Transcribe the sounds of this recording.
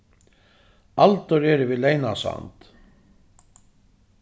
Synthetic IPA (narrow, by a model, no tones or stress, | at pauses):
alt̪ɔɾɛɾʏvɪlejnasa̰nt̪